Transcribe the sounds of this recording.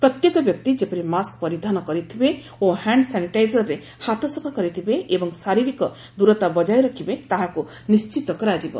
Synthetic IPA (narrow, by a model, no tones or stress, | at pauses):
pɾɔt̪jekɔbjɔk̚t̪id͡ʒepɔɾimaskpɔɾid̪ʱanɔkɔɾit̪ʰibe | ohaɳɖsaniʈajzɔɾːe | hat̪ɔsɔbʱakɔɾit̪ʰibeʔebɔŋsaɾiɾikɔ | d̪uɾɔt̪abɔd͡ʒajɾɔkʰibet̪aɦaku | nist͡ʃit̪ɔkɔɾad͡ʒibɔ̰